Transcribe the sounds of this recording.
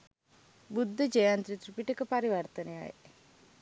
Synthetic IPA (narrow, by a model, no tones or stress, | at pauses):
bud̪ʱːəd͡ʒəjant̪ɾit̪ɾipiʈəkəpaɾiʋəɾt̪ənea̰ḛ